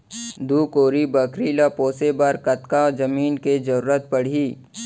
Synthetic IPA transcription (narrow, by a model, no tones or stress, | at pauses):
d̪uːkoːɾibɐkɾilapoːsebaːɾkɐt̪kad͡ʒɐmiːnked͡ʒɐɾuːɾət̪̚pɐɽ̤iː